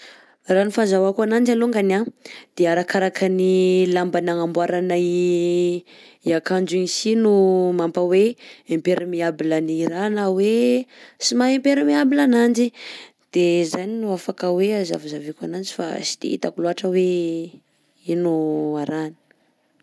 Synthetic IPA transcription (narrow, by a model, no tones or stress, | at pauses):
ranufazawakuanand͡ʒaluŋɡanad̪̥eaɾakaɾakənilambanaŋambwaɾanai | iakand͡ʒinisinumampaweempeɾimiabilaniɾanawesimaempeɾumiabilanand͡ʒi | d̪̥ezaninuafakəweaza̰vuzavikanand͡ʒifa̰si̥d̪̥ḛḭt̪akuluaʈ͡ʂəwe | inuaɾani̥